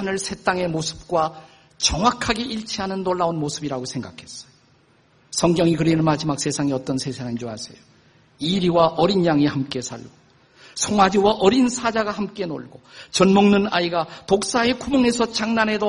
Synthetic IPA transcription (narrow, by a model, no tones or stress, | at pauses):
nɯɭsʰe̞t͈aŋe̞mosʰɯ̥p̚k͈wa | t͡ɕʌŋwakʰaɡe̞ʔiɭt͡ɕʰiɦanɯnːoɭːaonmosʰɯbiɾaɡosʰe̞ŋɡakʰe̞s͈ʌ̥jo | sʰʌŋɡjʌŋikɯɾinɯnmad͡ʑimak̚s͈e̞sʰaŋiʌt͈ʌnsʰe̞sʰaŋit͡ɕoɦasʰḛjo | iɾiwaʔʌɾinjaŋihamk͈e̞sʰa̰ɭɡ̥o | sʰoŋwad͡ʑiwaʔʌɾinsʰad͡ʑaɡahamk͈e̞no̰ɭɡot͡ɕʌnmoŋnɯnaiɡatok̚s͈ae̞kʰumoŋe̞sʰʌt͡ɕaŋnane̞do